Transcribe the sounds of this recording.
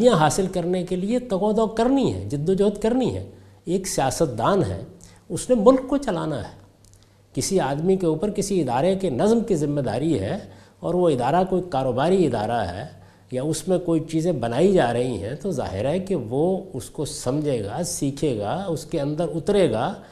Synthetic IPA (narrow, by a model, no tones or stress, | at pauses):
ijãɦaːsɪlkɐɾnekeliet̪ɐɣɔd̪ɔːkɐɾniɦɛ̰d͡ʒɪd̪ːod͡ʒoːt̪kɐɾniɦɛ̰ː | eːksijaːsət̪̚d̪aːnɦɛ̰ː | ʊsnemʊlkːot͡ʃɐla̰ːna̰ɦɛː | kɪsiaːd̪mikeuːpəɾkɪsiɪd̪aːɾekenɐzmkizɪmːed̪a̰ːɾiɦɛ̰ | ɔːɾʋoɪd̪aːɾakoikaːɾoːbaːɾiɪd̪a̰ːɾaɦɛ̰ː | jaʊsmẽkoːit͡ʃiːzẽbɐnaːid͡ʒaːɾɐɦiɦɛ̰̃t̪oza̰ːɦɪ̰ɾɦɛkiʋoʊskosɐmd͡ʒʱeːɡasiːkʰeːɡaʊskeɐ̃nd̪əɾʊt̪ɾeːɡaː